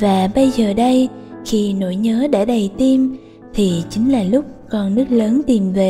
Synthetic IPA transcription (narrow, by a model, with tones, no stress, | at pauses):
vaː˨˩ɓə˧jzəː˨˩ɗə˧j | xi˧no̰˧˥jɲəː˨˦ɗa̰ː˧˥ɗə˨˩jt̪i˧m | t̪ʰi˨˩t͡ɕï˨˦ŋ̟laː˨˩lʊ˦˥k͡p̚kɔ˧˩nːɨ˦˥k̚ləː˨˦nt̪i˨˩mve˨˩